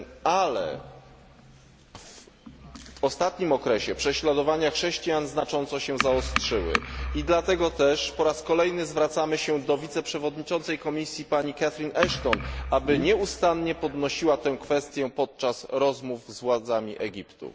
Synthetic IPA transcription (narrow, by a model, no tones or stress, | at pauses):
alɛ̰ | v | ɔst̪at̪ɲimɔkɾɛɕɛpʂɛɕlad̪ɔvaɲaxʂɛɕt͡ɕijanznat͡ʂɔnt̪sɔɕɛzaɔstʂɘwɘ̰id̪lat̪ɛɡɔt̪ɛʂpɔɾaskɔlɛjnɘzvɾat̪samɘɕɛd̪ɔvʲit̪sɛpʂɛvɔd̪ɲit͡ʂɔnsɛjkɔmʲisʲjipaɲikat̪ɾinʔɛʂt̪ɔnʔabɘɲɛust̪anɲɛpɔd̪nɔɕiwat̪ɛ̃wkfɛst̪ʲjɛpɔt̪̚t͡ʂasɾɔzmuvzvwad̪zamʲiʔɛɡʲipt̪ṵ